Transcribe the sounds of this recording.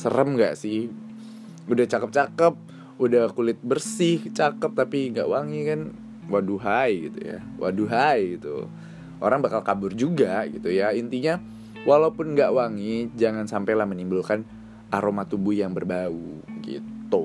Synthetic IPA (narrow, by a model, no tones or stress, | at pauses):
sə̰ɾəmŋɡa̰ʔsɪh | udaht͡ʃakəp̚t͡ʃakəp̚ | udahkulɪt̪̚bərsɪht͡ʃakəp̚t̪apiŋɡa̰ʔwaŋikan | waduɦajɡit̪ṵja̰ | wʔa̰duɦajɡit̪ṵ | ʔoɾaŋbakalkabʊrd͡ʒuɡaɡit̪ujaint̪iɲa | walaupʊnŋɡaʔwaŋid͡ʒaŋansampalahmənimbulkan | ʔaɾomat̪ubʊhjaŋbərbauɡḭt̪u